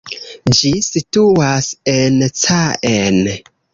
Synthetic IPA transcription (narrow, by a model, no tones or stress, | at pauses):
d͡ʒisituasent͡saʔen